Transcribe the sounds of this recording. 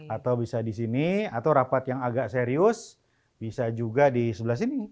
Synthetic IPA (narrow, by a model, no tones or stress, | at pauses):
at̪awbisadisiniat̪awɾapat̪jaŋaɡaʔseɾiʊs | bisad͡ʒuɡadisəbəlas̬ini